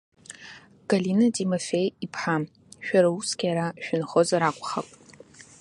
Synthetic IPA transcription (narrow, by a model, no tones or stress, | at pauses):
ɡ̥alinatʰʼimofe̞jipʰħam | ʃᶣaɾausɡʲjaɾaʃᶣʏnχozaɾakʷʼχa̰kʷʼ